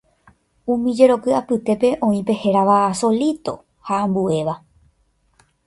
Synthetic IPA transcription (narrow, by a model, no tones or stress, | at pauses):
ũmĩd͡ʒe̞ɾo̞kɨapɨt̪e̞pe̞ʔõ̞ĩpe̞he̞ɾaʋaːso̞lit̪o̞ | hãːmbue̞ʋa